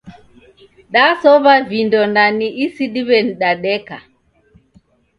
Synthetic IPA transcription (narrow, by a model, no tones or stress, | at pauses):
ɗasɔβavindɔndaniʔisiɗiβɛn̩ɗaɗɛka̰